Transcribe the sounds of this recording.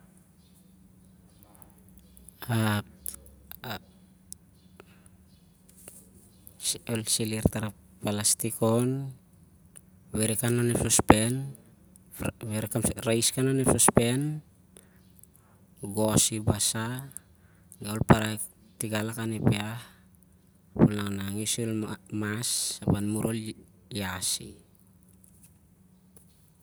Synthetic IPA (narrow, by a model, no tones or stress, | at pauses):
a | olsiliɾt̪aɾa | palastikon | weɾekananepsospen | weɾekaɾajskananepsospen | ɡosibasa | ɡaolpaɾa | tiɡalakanepeah | pulnaŋnaŋisulmasːapanmuɾʔol | jasḭ